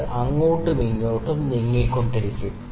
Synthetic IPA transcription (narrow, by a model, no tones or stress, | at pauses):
ʔɐŋːoːʈːɨmiŋːoːʈːumniŋːɐkːoɳɖiɾikʲːu